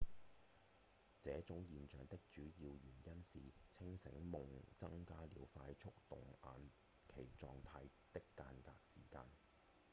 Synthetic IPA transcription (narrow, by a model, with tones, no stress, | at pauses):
t͡sɛː˨˧˥t͡sʊ˨˥ŋjiː˨nt͡ʃœː˨˩ŋt̪ɪ˥k̚t͡ʃyː˨˥jiː˧wjyː˨˩njɐ˥nsiː˨t͡sʰɪ˥ŋsɪ˨˥ŋmʊ˨ŋt͡sɐ˥ŋkaː˥liː˨˧˥wfaː˧jt͡ʃʰʊ˥k̚t̪ʊ˨˩ŋa̰ː˨˧n | kʰe˨˩jt͡sɔː˧ŋt̪ʰaː˧j | t̪ɪ˥kːaː˧nka̰ː˧k̚sḭː˨˩kaː˧n